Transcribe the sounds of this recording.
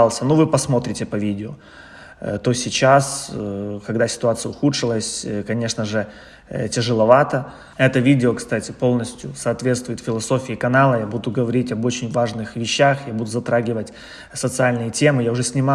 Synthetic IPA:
lˠsʲənuvɨpɐsmo̞t̪ɾʲɪtʲɪpɐvʲidʲɪo | t̪osʲɪt͡ɕaskɐɡ̚d̪asʲɪ̥t̪ʊat̪sɨjəʊxut̪ʂɨlˠəsʲkɐnʲe̞ʂnəʐɨ | tʲɪʐɨlˠɐvat̪ə | ɛt̪əvʲidʲɪokst̪atʲɪpo̞lˠnəsʲtʲjʊsɐːt̪vʲet̪st̪vʊjɪt̪fʲɪlˠɐso̞fʲɪːkɐnalˠəjabud̪ʊɡəvɐɾʲitʲɐbo̞t͡ɕɪnʲvaʐnɨxvʲɪɕːaxjabud̪ʊzɐt̪ɾaɡʲɪvətʲ | sət̪sɨalʲnɨjətʲe̞mɨjaʊʐɛsʲnʲɪma

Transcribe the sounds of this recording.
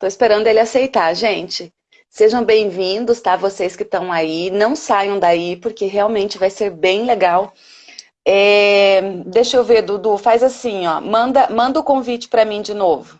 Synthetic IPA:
t̪oɪspeɾɐ̃nd̪ʊɐelɪasejt̪aɾʒẽt͡ʃɪ | seʒɐ̃w̃bẽj̃vĩnd̪ʊst̪avosejskɪt̪ɐ̃w̃ainɐ̃w̃sajɐ̃w̃d̪aipʊɾkeɦeawmẽnt͡ʃɪvajseɾbẽj̃leɡaw | ɛ | d̪ejʃʊewveɾd̪ʊd̪ufazasĩɔmɐ̃nd̪ɐmɐ̃nd̪ɐʊkõvit͡ʃɪ̥pɾɐmĩd͡ʒɪnovʊ

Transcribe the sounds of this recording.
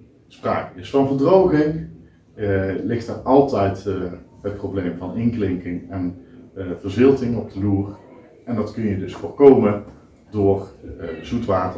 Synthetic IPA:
spra̰ːkəɪsfɑnvəɹdrowχɪŋ | lɪχtəːrɑlˠtɛjtɦət̚prowblejmvɑnɪŋklɪŋkɪŋɛn | v̥ərzɪlˠtɪŋɔb̚dəluːr | ɛndɑtkɵnjədɵsfʊːɹkowmə | dʊːrzutʋaːtə

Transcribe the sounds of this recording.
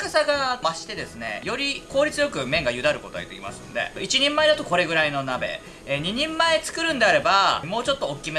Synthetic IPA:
kasaɡamaɕi̥t̪e̞d̪e̞sɨne̞̰jo̞ɾʲiko̞ːɾʲit͡sɨjo̞kɯ̟mẽ̞ŋɡajɯ̟d̪aɾɯ̟ko̞t̪o̞a̰it̪ːekʲima̰sɨnod̪e̞̰it͡ɕiɲ̟ĩmːaed̪at̪o̞ko̞ɾe̞ɡɯ̟ɾaino̞nabe̞̰ | ɲ̟iɲ̟ĩmːaet͡sɨ̥kɯ̟ɾɯ̟̃nd̪e̞aɾe̞bamo̞ːt͡ɕo̞t̪ːoːkʲːime

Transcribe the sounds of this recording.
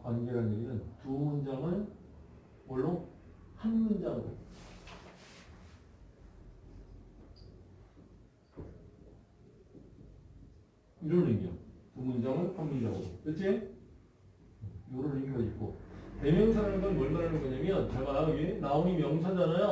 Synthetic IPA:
kwanɡe̞ɦaneɡinɯntumund͡ʑaŋɯɭ | mʌɭːo | hanmund͡ʑaɡo̰ḛa | iɾʌnɾiɡio̰tumund͡ʑaŋɯɭhamːiiɾaɡo̰tɯt͡ɕ͈ʰe | joɾʌniŋiɡad͡ʑiɡ͈o̰te̞mjʌŋsʰaɾamɡanmʌɭmaɾanɯmʌɲamjʌnt͡ɕemaɾaienaomimjʌŋsʰand͡ʑanaja

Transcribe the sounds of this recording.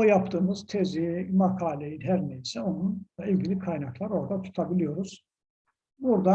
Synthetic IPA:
ojɑpʰt̪ɯːmɯzt̪ʰezimɑkʰɑːlejlʲɦæɾneisɛonunymɡilʲikʰɑjnɑklˠɑɾo̞ɾd̪at̪ʰu̥t̪ʰɑbilʲijo̞ɾuz̥ | buɾd̪ɑ

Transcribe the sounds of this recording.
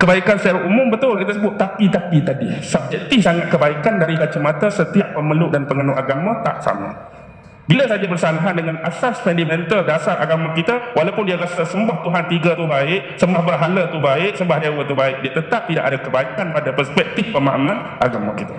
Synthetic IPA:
kəbaikansaɾaʔumʊmbət̪ʊlkit̪asəbʊt̪ːapit̪apit̪adisəb̚d͡ʒɛk̚t̪ɪfsaŋat̪̚kəbaikandaɾikat͡ʃamat̪asət̪iaʔpəməlʊʔ̚danpəŋənuʔaɡamãt̪a̰ʔsa̰ma̰ | biləsad͡ʒabərsalaɦandəŋanasasfɛndimɛnt̪əldasara̰ɡamãkit̪awalawpʊndiaɾasasəmbaht̪uɦant̪iɡat̪uhbaɪk̚səmbahbərɦalat̪uhbaɪk̚səmbahdewət̪ubaɪk̚diat̪ət̪ap̚t̪ida̰ʔadakəbaikanpadapərspɛk̚t̪ɪfpəma̰ʔaman | ʔa̰ɡamã̰kit̪a

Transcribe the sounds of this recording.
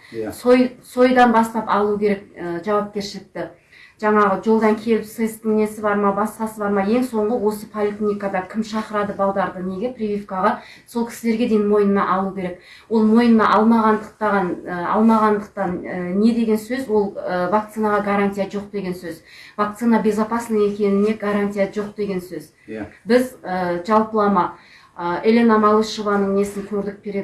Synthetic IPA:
sojso̞jd̪ɑnbɑst̪ɑpɑlˠukʲʰe̞ɾe̞k̚əʒɑwɑp̚kʲe̞ɾʃɪlɪk̚t̪ɪ | ʒ̥ɑɴɑʁəʒo̞lˠd̪ɑŋkʲʰe̞lɪpsɨjst̪ɪŋne̞sɪbɑɾmɑbɑsqɑsəbɑɾmɑje̞ŋso̞ɴʁəwo̞səpʰolʲiklʲnʲijkad̪ɑkʲʰɪmʃɑqəɾɑd̪əbɑlˠd̪ɑɾd̪əne̞ɡʲeprʲivʲifkɑʁɑ | so̞lˠkʲʰɪ̥sɪleɾɡʲe̞d̪e̞jɪnmo̞jnənɑʔɑlˠukʲʰe̞ɾe̞k̚ | wo̞lˠmo̞jnənɑ̰ʔɑlˠmɑʁɑnd̪əq̚t̪ɑʁɑnəɑ̰lˠmɑʁɑnd̪əq̚t̪ɑnəːe̞d̪e̞ɡʲe̞nsɵzwo̞lˠəvak̚t̪sɨnaʁɑɡaɾanʲt̪ʲijaʒo̞q̚d̪e̞ɡʲe̞nsɵzvak̚t̪sɨnabʲe̞zapɑsnəe̞kʲe̞nɪne̞ɡaɾanʲt̪ʲijaʒo̞q̚d̪e̞ɡʲe̞nsɵz | bɪzəʒɑlˠpəlˠɑmɑ | əelʲe̞namɑlˠɨʃovɑnəɴe̞sɪŋkʲʰɵɾd̪ɪk̚be̞ɾe̞d̪ɪ

